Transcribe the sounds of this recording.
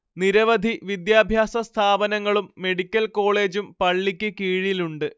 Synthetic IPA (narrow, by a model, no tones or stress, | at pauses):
niɾɐʋɐd̪ʱiʋid̪jaːbʱjaːsɐst̪ʰaːbɐnɐŋːɐɭumːe̞ɽikʲːɐlko̞ːɭe̞ːd͡ʑumpɐɭːikʲːɨkiːɻiluɳɖɨ